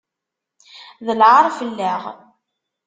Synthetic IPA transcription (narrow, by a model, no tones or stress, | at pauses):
ðəlʕaɾˤfəlːæʁ